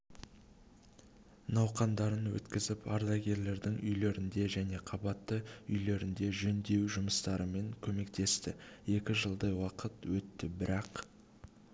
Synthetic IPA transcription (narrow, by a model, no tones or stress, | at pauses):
nɑwqɑnd̪ɑɾənwɵ̰t̪kʲɪzɪpɑɾd̪ɑɡʲe̞ɾle̞ɾd̪ɪŋʔʏjle̞ɾɪnd̪e̞ʒæne̞qʰɑbɑt̪ːəʏjle̞ɾɪnd̪e̞ʒɵnd̪e̞wʒʊməst̪ɑɾəme̞ŋkʲʰɵme̞kt̪e̞st̪ɪje̞kʲɪʒəlˠd̪ɑjwɑqət̪wɵt̪ːɪbɪɾɑq